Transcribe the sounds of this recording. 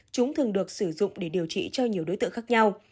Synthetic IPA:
t͡ɕʊ˨˦ŋ͡mt̪ʰɨ˨˩ŋɗɨ˨˩ək̚sɨ˧˩zʊ̰˧˨ŋ͡mɗe˧˩ɗi˨˩əwt͡ɕḭ˧˨t͡ɕɔ˧ɲi˨˩əwɗo˨˦jt̪ɨ̰˧˨xa˦˥k̚ɲa˧w

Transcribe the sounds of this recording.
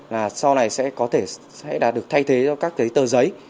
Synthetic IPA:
laː˨˩sa˧wna˨˩jsɛ̰˧˥kɔ˨˦t̪ʰe˧˩ | sɛ̰˧˥ɗaː˨˩t̚ɗɨ˨˩ək̚t̪ʰa˧jt̪ʰe˨˦t͡ɕɔ˧kaː˦˥k̚t̪ʰə˨˦jt̪əː˨˩zə˨˦j

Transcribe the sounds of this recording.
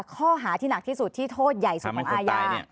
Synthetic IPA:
kʰɔː˥˩ɦaː˩˦t̪ʰiː˥˩na˨˩k̚t̪ʰiː˥˩su˨˩t̪ʰːiː˥˩t̪ʰoː˥˩t̪̚ja˨˩jsu˨kʰɔː˨˦˩ʔːjaː˧

